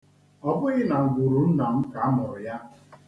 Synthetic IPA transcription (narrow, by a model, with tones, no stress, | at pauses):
ɔ˦bʊ˦ɣɪ˦na˨ŋ̩˨ɡʷu˨ɾu˨n̩˦na˨m̩˦ka˨a˦mʊ˨ɾʊ˨ja˦